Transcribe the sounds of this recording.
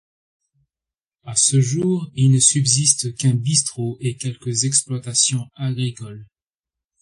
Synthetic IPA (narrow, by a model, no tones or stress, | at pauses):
asəʒuːʁilnəsybzist̪kɛ̃bist̪χoʔekʲɛlkəzɛksplwat̪asjɔ̃aɡʁikɔl